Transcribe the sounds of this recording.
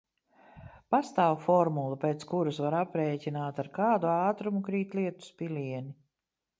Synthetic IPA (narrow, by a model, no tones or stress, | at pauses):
past̪aːwfɔɾmulˠupʲeːt̪skuɾusvaɾapɾeːcinaːt̪aɾkaːd̪uɑːt̪ɾumukɾiːt̪lˠiɛt̪u̥spilʲiɛni